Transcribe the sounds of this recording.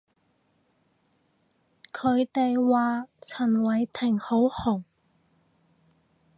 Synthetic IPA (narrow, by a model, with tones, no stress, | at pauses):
kʰɵ˨˧ɥt̪e˨jwaː˨˧t͡sʰɐ˨˩nwɐ˨˧jt̪ʰɪ˨˩ŋho˨˥whʊ˨˩ŋ